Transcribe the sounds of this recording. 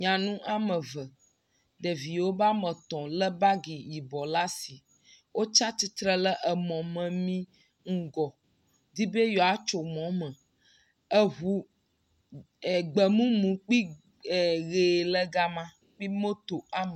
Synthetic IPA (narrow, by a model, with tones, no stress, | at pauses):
ɲã˨nũ˦ʔa˦mə̃˨və˨ | d̪ə˨vi˨wo˦ba˦mə̃˨t̪ɔ̃˨lə˦ba˦ɡi˨ji˨bɔ˨la˦si˨ | wo˦t͡ʃa˦t̪i˦t̪ɾə˦lə˦ʔə˨mɔ̃˨mə̃˨mĩ˦ | ŋ̩˦ɡɔ˨ | d̪i˦be˦jɔ˨a˦t͡ʃo˨mɔ̃˨˦mə̃˨ | ə˦ɦu˨ | ɡ͡bə˨mũ˦mũ˨k͡pi˦ | ɛ˨ɣe˨lə˦ɡa˦mã˦ | k͡pi˦mo˦t̪o˨a˦mə˨